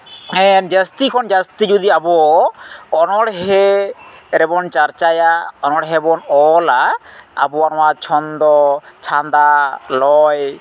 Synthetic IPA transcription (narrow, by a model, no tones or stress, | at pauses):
ɛnd͡ʒast̪ikʰɔnd͡ʒast̪id͡ʒud̪iabɔː | nɔɽɦɛ | ɾɛbɔnt͡ʃaɾt͡ʃajaɔnɔɽɦɛbɔnɔlaa̰bɔanɔwat͡ʃʰɔnd̪ɔt͡ʃʰand̪alɔj